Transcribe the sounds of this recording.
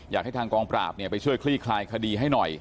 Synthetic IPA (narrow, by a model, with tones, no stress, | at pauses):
jaː˨˩k̚ha˥˩jt̪ʰaː˧ŋkɔː˧ŋpɾa̰ː˨˩p̚ni˥˩ɐpa˧jt͡ɕʰu˥˩əjkʰliː˥˩kʰlaː˧jkʰa˧diː˧ɦa˥˩jnɔ˨˩j